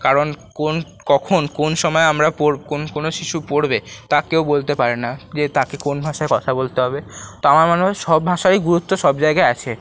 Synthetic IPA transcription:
kaɾonkon | kɔkʰonkonʃɔmɔeamɾapoɾkonkonoʃiʃupoɾbet̪akewbolt̪epaɾenad͡ʑet̪akekonbʱaʃaekɔt̪ʰabolt̪eɦɔbet̪oamaɾmanuɦeʃɔbbʱaʃaiɡuɾut̪ːoʃɔbd͡ʑaeɡaeat͡ɕʰe

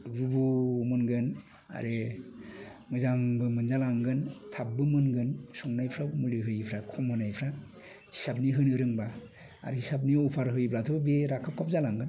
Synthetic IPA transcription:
ɾubumɯnɡɯn | a̰ɾe | mɯzaŋbɯmɯnzalaŋɡɯntʰap̚bɯmɯnɡɯnsɔŋnajpʰɾamuliɦɯjpʰɾakʰɔmhɯnajpʰɾa | hi̥sap̚niɦɯnɯɾɯŋba | a̰ɾihisab̬niɔpʰaɾɦɯjpʰlatʰɯbeɾakʰap̚kʰap̚zalaŋɡɯn

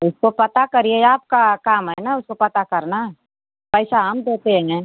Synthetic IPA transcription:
ʊskopɐt̪akɐɾieaːp̚kakaːmɦɛnaʊskopɐt̪akɐɾna | pəɪsaɦɐmd̪eːt̪eɦɛ̃ːɡeː

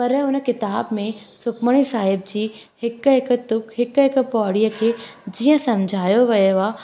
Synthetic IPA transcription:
pɐɾʊnkɪt̪aːbmẽsʊkməɽ̃isaːɦɪbd͡ʑiːhɪkɦɪk̆t̪ʊkɦɪkɦɪk̆pɔːɽijəkʰeːd͡ʑiːə̃sɐmd͡ʑʱaːjoʋɐjoaː

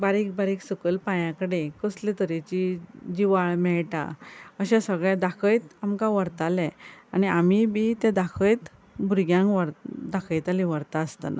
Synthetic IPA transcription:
baɾiːkbaɾiːksukəlpãjãkəɽekɔslet̪əɾet͡ɕid͡ʑiʋaɭmɛɭʈa̰əɕãsəɡɭad̪akʰəjt̪amkãʋəɾt̪alɛ̃aniamibit̪ẽd̪akʰəjt̪ | bʱuɾɡjãŋɡʋəɾd̪akʰəjt̪aliʋəɾt̪aəst̪əna̰

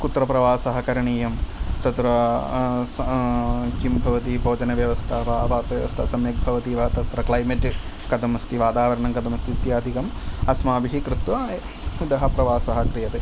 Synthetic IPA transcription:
kut̪ɾɐpɾɐʋaːsɐɦɐkɐɾɐɳiːjɐmt̪ɐt̪ɾɐ | sɐkimbʱɐʋɐt̪ibʱoːd͡ʒɐnɐʋjɐʋɐst̪ʰɐpaaːbʱaːsɐʋjɐʋɐst̪ʰɐsɐmjɐk̚bʱɐʋɐt̪iːʋɐt̪ɐt̪ɾɐklɐjmeʈ | kɐd̪ɐmɐst̪iʋaːt̪aːʋɐɾɐɳɐŋkɐd̪ɐmɐst̪it̪jaːd̪ʱikɐmɐsmaːbiɦikɾut̪ʋaː | ud̪ɐɦɐpɾɐʋaːsɐɦɐkɾijɐt̪ɨ

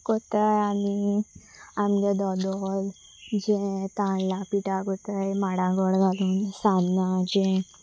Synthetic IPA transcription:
kot̪əjani | amled̪ɔd̪ɔl | d͡ʑẽt̪ãɳlapiʈaɡot̪əjmaɽãɡɔɽɡʱaluːnsannad͡ʑẽ

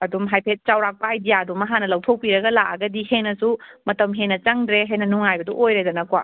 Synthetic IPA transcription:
ɐdumɦajpʰet̚t͡ʃawɾak̚paidijaɐdumːɐɦanɐlɐwtʰok̚piɾɐɡɐlakɐɡɐdihenːɐsumɐtɐmɦenːɐt͡ʃɐŋdɾeɦajnɐnuŋajbɐduʔojɾedɐnɐkwa̰

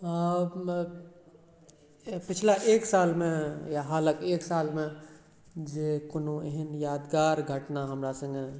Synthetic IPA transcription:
pɪt͡ʃʰlaʔeːksaːlmẽjaɦaːləkeːksaːlmẽ | d͡ʒekʊnoeɦɪnjaːd̪ɡaːɾɡʱəʈnaɦəmɾasə̃ŋɡe

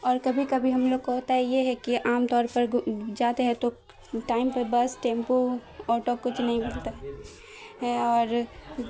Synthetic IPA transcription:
ɔːɾkɐbʱikɐbʱiɦɐmloɡ̚koɦɐt̪aɦɛjeɦɛkiʔaːmt̪ɔːɾpɐɾd͡ʒaːt̪eɦɛt̪o | ʈaːɪmpəɾbɐsʈẽːmpuɔːʈokʊt͡ʃʰnɐɦĩbɪlt̪aɦɛ | ɦɛɔːɾ

